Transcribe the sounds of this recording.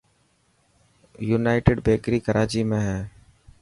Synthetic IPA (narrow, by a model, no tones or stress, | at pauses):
juːnaːɪʈeɖbʱeːkɾiːkəɾʔaːt͡ʃiːmẽːɦɛː